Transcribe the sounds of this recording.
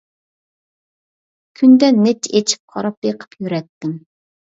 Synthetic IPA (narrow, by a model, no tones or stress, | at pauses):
kʲʰynd̪ɛnːet͡ʃʰet͡ʃʰi̥p̚qʰɑɾɑpeqʰə̥pjyɾɛt̪ːɪm